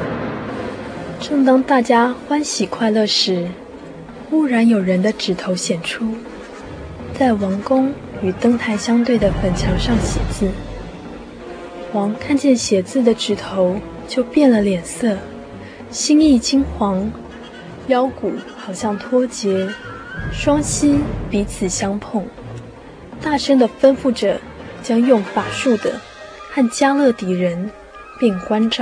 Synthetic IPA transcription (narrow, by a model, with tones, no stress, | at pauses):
ʈ͡ʂɤ˥˩ŋt̪ɑ˥ŋt̪a˥˩t͡ɕja˥xwa˥nɕi˨˩kʰwa˥˧ɪlɤ˥˩ʂɻ̩˧˥ | u˥˩ɻa˧˥njo˨˩ʊɻə˧˥nd̪ə˧ʈ͡ʂɻ̩˨˩t̪ʰo˧˥ʊɕjɛ˨˩nʈ͡ʂʰu˥ | t͡sa˥˩ɪwɑ˧˥ŋkʊ˥ŋ | y˨˩t̪ɤ˥ŋt̪ʰa˥˩ɪɕjɑ˥ŋt̪we˥˩ɪd̪ə˩xə˨˩nt͡ɕʰjɑ˧˥ŋʂɑ˥˩ŋɕjɛ˧˥t͡sɹ̩˥˩ | xwɑ˧˥ŋkʰa˥˧nt͡ɕjɛ˥˩nɕjɛ˧˥t͡sɹ̩˥˩d̪ə˩ʈ͡ʂɻ̩˨˩t̪ʰo˧˥ʊ | t͡ɕjo˥˧ʊpjɛ˥˩nlə˩ljɛ˨˩nsɤ˥˩ | ɕi˥ŋi˥˩t͡ɕi˥ŋxwɑ˧˥ŋ | jɑ˥ʊku˨˩xɑ˨˩ʊɕjɑ˥˩ŋt̪ʰwɔ˥t͡ɕjɛ˧˥ | ʂwɑ˥ŋɕi˥npi˧˥t͡sʰɹ̩˨˩ɕjɑ˥ŋpʰʊ˥˩ŋ | t̪a˥˩ʂə˥ŋd̪ə˨fə˥nfu˥˩ʈ͡ʂɤ̰˨˩ | t͡ɕjɑ˥ŋjʊ˥˩ŋfa˨˩ʂu˥˩d̪ə̰˩ | xa˥˩nt͡ɕja˥lɤ˥˩t̪i˧˥ɻə˧˦˥n | pi˥˩ŋkwa˥nʈ͡ʂɑ˥˩